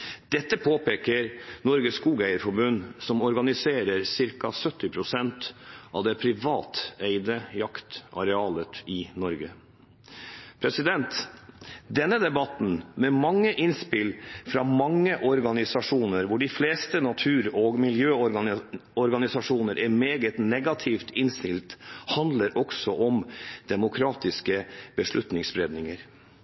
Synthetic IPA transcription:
d̪̥ɛt̪ːəpʰoːpʰeːkəɾnɔɾɡəskuːɡæɪəɾfɔɾbʉnsɔmɔɾɡɑnɪseːɾəɾsɪɾkɑsœt̪ːɪpʰɾʊsɛnt̪ɑ̰ʋd̪ɛpʰɾɪʋɑːt̪æɪd̪əjɑkt̪ʔɑ̰ɾɛɑːlət̪ɪnɔɾɡə | pʰɾɛsɪd̪ɛnt̪ | d̪ɛnːəd̪ɛbɑt̪n̩mɛmɑŋːəʔɪnspɪlfɾɑːmɑŋːəʔɔɾɡɑnɪsɑʂuːnəɾʋʊɖɪfleːst̪ənɑt̪ʰʉːɾɔːɡmɪljøː | ɔɾɡɑnɪsɑʂuːnəɾʔæɾmeːɡət̪nɛɡɑt̪ʰift̪ɪnst̪ɪlt̪hɑnd̪ləɾʔɔksɔʔɔmd̪̥ɛmʊkʰɾɑːt̪ɪskəb̥əʂɭʉt̪nɪŋsbɾeːd̪nɪŋəɾ

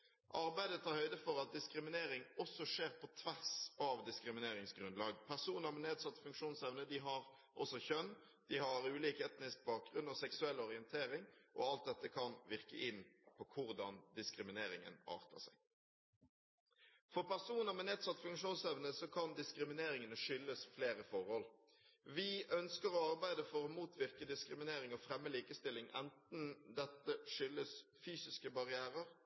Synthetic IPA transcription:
ʔɑʁbæɪd̪ət̪ʰːɑːɾhœʏd̪əfɔʁɑt̪̚d̪ɪskɾɪmɪneːɾɪŋɔsːɔʂeːʁpʰɔt̪ʰʋæʁsɑʋd̪ɪskʁɪmɪneːʁɪŋsɡɾʉnlɑːɡpʰæʁsuːnəʁmɛneːd̪sɑt̪ːfʉŋkʂuːnsɛʋnəd̪ɪɦɑʁ | ʔɔsɔçœn | d̪̥ɪhɑɾʉːliːkɛt̪nɪsk̚bɑːk̚ɡʁʉnːɔsɛksʉɛlːɔʁɪənt̪ʰeːɾɪŋʔɔ̰ɑlt̪̚d̪ɛt̪ːəkʰɑnʋɪʁkə̰ʔɪnːpʰɔkʰʊʁd̪ɑnd̪ɪskʁɪmɪneːʁɪŋə̰nɑ̰ːʁt̪ə̰sæ̰ɪ | fɔʁpæʁsuːnəʁmɛneːd̪sɑt̪ːfʉŋkʂuːnsɛʋnəsɔkʰɑnd̪ɪskɾɪmɪneːɾɪŋənəʂʏlːəsfleːʁəfɔʁhɔl | ʋɪʔœnskəɾɔɑʁbæɪd̪əfɔɾɔmuːt̪ʰʋɪʁkəd̪ɪskʁɪmɪneːɾɪŋɔfɾɛmːəliːkəst̪ɪlːɪŋɛ̰nt̪nd̪ɛt̪ːəʂʏlːəsfyːsɪskəbɑʁɪæːʁəʁ

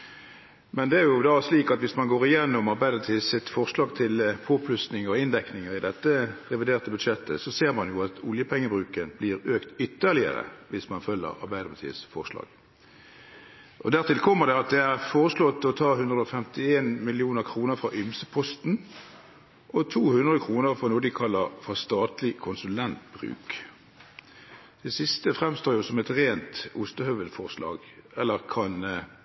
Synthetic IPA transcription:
mɛnd̪ɛæɾʁjʊd̪ɑsliːkɑt̪ʋɪsmɑnɡoːʁɪjɛnːʊmɑʁbæɪd̪əmɑt̪ʰiːsɪt̪fɔʁslɑːɡt̪ʰɪlpʰoːpʰlʉst̪nɪŋəɾɔɪnd̪ɛknɪŋəʁɪd̪ɛt̪ːəʁɛʋɪd̪eːʁt̪əbʉd̪ʂɛt̪ːə̰sɔseːʁmɑnjʊɑt̪ʊljəpʰɛŋːəbʁʉːkənbliːʁøːkt̪ʏt̪ːəʁlɪə̰ʁə̰ʋɪsmɑnfœlːə̰ɾɑ̰ʁbæɪd̪əmɑt̪ʰḭːəsfɔʁʂlɑ̰ːɡ̥ | ʔɔd̪æʁt̪ɪlkʰɔmːəʁd̪ɛɑt̪̚d̪ɛæʁfoːʁəslɔt̪ːɔt̪ʰɑːhʉnd̪ʁəɔfɛmt̪ɪeːnmɪlɪuːnəʁkʰʁuːnəʁfʁɑːʔʏmsəpʰɔst̪n̩ | ʔɔt̪ʰuːhʉnd̪ʁəkʰʁuːnəʁfɑnuːəd̪ɪkʰɑlːəʁfɔʁst̪ɑːt̪lɪkʰʊnsʉlɛnt̪̚b̥ʁʉ̰ːk | d̪̥ɛsɪst̪əfʁɛmst̪oːɾjʊsɔmɛt̪ʁeːnt̪ʊst̪əhœʋəlfɔʁslɑ̰ːɡ | ɛlːəʁkʰɑn

